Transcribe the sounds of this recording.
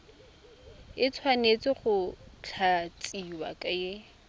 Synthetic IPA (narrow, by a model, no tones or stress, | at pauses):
ɪt͡sʰwanet͡sɪχʊt͡ɬʰat͡sʼiwa̰kʼaje